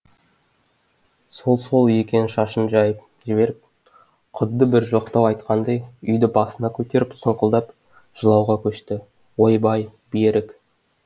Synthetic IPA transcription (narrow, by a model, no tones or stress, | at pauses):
so̞lˠso̞lˠʏjekʲe̞nʃɑʃənʒɑjəp̚ | ʒɪbe̞ɾɪp̚ | qʰʊd̪ːəbɪɾʒo̞qt̪ɑwɑjt̪qɑnd̪ɑjʏjd̪ɪbɑsənɑkʲʰɵt̪e̞ɾɪpsəɴqəlˠd̪ɑp | ʒ̥əlˠɑwʁɑkʲʰɵʃt̪ɪ | wo̞jbɑjbeɾɪk